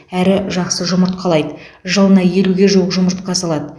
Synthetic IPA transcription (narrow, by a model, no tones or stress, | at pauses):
æɾɪʒɑqsəʒʊməɾt̪̚qʰɑlˠɑjd̪əʒəlˠənɑje̞luɡʲe̞ʒowəqʒʊməɾt̪̚qɑsɑlˠɑd̪ə